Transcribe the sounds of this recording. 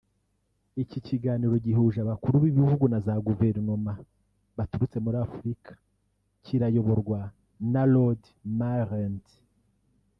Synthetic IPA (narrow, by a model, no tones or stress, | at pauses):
iciciɡaːniɾo̞ɟiɦuːʒaβakuɾuβiβihuɡunazaɡuve̞ɾno̞ma | βatuɾut͡se̞muɾafuɾikʰḁ | ciɾajo̞βo̞ɾɡwa | nalod | maɾent